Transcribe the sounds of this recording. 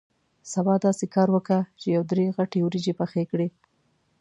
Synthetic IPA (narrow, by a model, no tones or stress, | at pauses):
sabɑd̪ɑsekɑɾwəkat͡ʃejawd̪ɾeɣaʈewɾid͡ʒepaxekɽe